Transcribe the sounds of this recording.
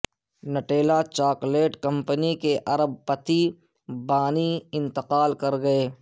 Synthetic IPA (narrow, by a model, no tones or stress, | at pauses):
nɐʈeːlat͡ʃaːkleːʈkɐ̃mpənikeʔɐɾəb̚pɐt̪i | baːniɪ̃nt̪ɪqaːlkɐɾɡɐeː